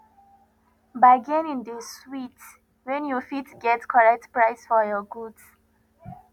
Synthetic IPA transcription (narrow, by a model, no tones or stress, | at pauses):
baɪɡɛ̃nĩndəswit | wɛ̃njufitɡɛtkʰɔɹɛk̚tpɹaɪsfɔjɔɡuds